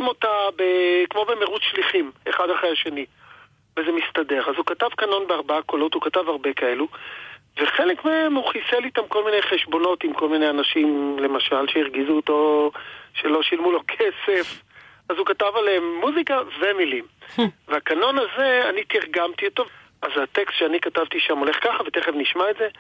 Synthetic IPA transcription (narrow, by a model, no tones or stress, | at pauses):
mo̞tabekmo̞bemeʁutʃliχime̞χadhaχʁejaʃeni | veze̞mistade̞ʁazukatavkano̞nbeaʁbaako̞lo̞thukatavaʁbe̞kae̞luveχe̞lekmeemhuχiselit̪amko̞lmine̞jχeʃbo̞no̞timko̞lminejanaʃimle̞maʃalʃeiʁɡizuːto̞ | ʃe̞lo̞ʃilmulo̞kʰese̞f | azukatavaleemːuzikave̞milimveakano̞naze̞anitiʁɡamtiotov | azatekstʃeanikatavt̪iʃamo̞le̞χkaχavete̞χevniʃmaetze̞